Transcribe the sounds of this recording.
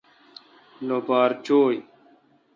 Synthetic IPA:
loːbaːɾt͡ʃoːj

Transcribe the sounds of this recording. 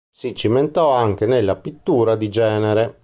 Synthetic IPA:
sit͡ʃiment̪ɔaŋk̟enelːapit̪ːuːɾad̪id͡ʒɛːneɾe

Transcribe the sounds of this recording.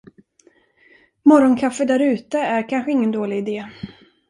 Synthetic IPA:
mɔɾɔnkʰafːəd̪æɾʉ̟ːt̪əæɾkʰanɧəɪŋːənd̪oːlɪɡɪd̪eː

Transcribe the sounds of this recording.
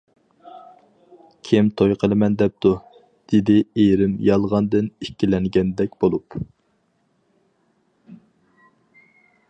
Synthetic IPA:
kʲʰɪmt̪ʰojqʰəlˠɨmɛnd̪ɛp̚t̪ʰu | d̪̥ɪd̪ɪeɾɪmjɑlˠʁɑnd̪ɨnikʲːilɛŋɡʲɛnd̪ɛk̚ʲb̥olˠup

